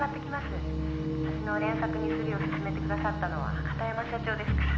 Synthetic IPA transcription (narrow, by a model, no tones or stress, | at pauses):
at̪ːe̞kʲimasɨ | saɕino̞ɾẽ̞ɰ̃sakɯ̟ɲ̟isɨɾʲio̞sɨ̥sɨme̞t̪ekɯd̪asat̪ːano̞βa̰kḁt̪ajamaɕɕat͡ɕo̞ːd̪e̞sɨ̥kḁ